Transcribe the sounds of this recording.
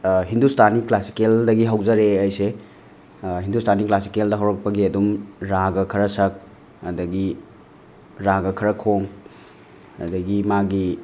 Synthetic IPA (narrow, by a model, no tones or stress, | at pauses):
ɦindustaniklasi̥keldɐɡiɦɐwzɐɾeɐjse | ɦindustʰaniklasi̥keldɐɦɐwɾɐk̚pɐɡiɐdumɾaɡɐkʰɐɾɐsɐk̚ | ɐdɐɡi | ɾaɡɐkʰɐɾɐkʰoŋ | ɐ̰dɐɡimaɡi